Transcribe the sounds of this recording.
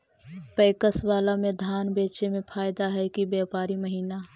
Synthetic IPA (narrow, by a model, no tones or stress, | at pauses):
pəːkəswaːlamẽd̪ʱaːnbeːt͡ʃemẽpʰaːɪd̪aɦɛkibɛːpaːɾiməɦiːna